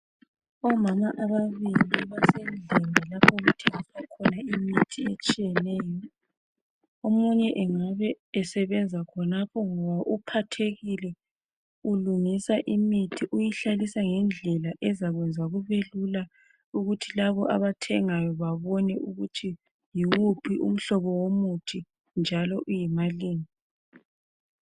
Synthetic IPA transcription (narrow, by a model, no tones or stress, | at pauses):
ɔmamaʔaβaβiliβasɛnd͡ɮʱɛŋɛlapʰɔɣutʰeŋisakʰɔnaimitʰiet͡ʃʼijɛnɛːjɔ | omuɲɛʔɛŋaβɛː | sɛβɛnd͡zʱakʰɔnapʰɔŋɔβaʔupʰatʰeɣilɛ | uluŋisaʔimitʰiʔujiɬalisaŋɛnd͡ɮʱɛlaʔɛzaɣwɛnd͡zʱaɣuβelula | uɣutʰilaβɔʔa̰βatʰɛŋajɔβaβɔnɛʔuɣutʰi | jiwupʰiʔṵm̩ɬɔβɔwomutʰi | nd͡ʒʱalɔʔujimaliːŋi